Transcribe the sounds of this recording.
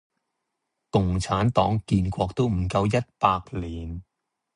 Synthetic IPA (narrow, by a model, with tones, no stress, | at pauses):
kʊ˨ŋt͡sʰaː˨˥nt̪ɔː˨˥ŋkiː˧nkʷɔː˧k̚t̪o˥wm̩˨˩kɐ˧wjɐ˥t̚paː˧k̚liː˨n